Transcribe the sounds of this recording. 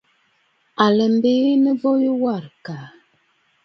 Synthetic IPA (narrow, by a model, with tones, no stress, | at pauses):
a˨lə˨m˦be˦nə˦vɔ˦jə˦wa˦˨ɾka˨